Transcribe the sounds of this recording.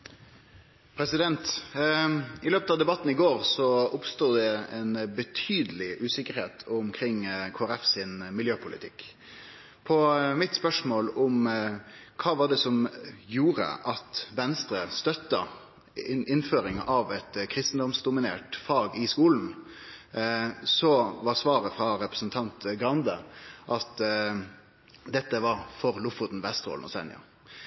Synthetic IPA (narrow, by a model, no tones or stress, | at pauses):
pʰɾɛsɪd̪ɛnt̪ | ɪløːpət̪ɑʋd̪ɛbɑt̪ːn̩ɪɡoːɾsɔʊpst̪uːd̪ɛɛnbət̪ʰyːd̪əlɪʔʉːsɪkːəɾheːt̪ʰʊmkʰɾɪŋːkʰoːæɾɛfsɪnmɪljøːpʰʊlʔɪ̰t̪ʰɪkː | pʰɔmɪt̪spœʂmoːlʊm | kʰɑːʋɑɖɛsɔmjuːɾə̰ʔɑt̪ʋɛnst̪ɾəst̪œt̪ːə | ɪɪnføːɾɪŋʔɑʋɛt̪kʰɾɪst̪n̩d̪ɔmsd̪ʊmɪneːʈfɑːɡɪskuːln̩ | sɔʋɑʁsʋɑːɾəfʁɑɾɛpɾəsnt̪ʰɑnt̪ɡɾɑnd̪əʔɑt̪ | d̪ɛt̪ːəʋɑɾfɔɾlʊfʊt̪n̩ʋɛst̪ɾo̰ːlnɔ̰sɛ̰nɪ̰ʊ̰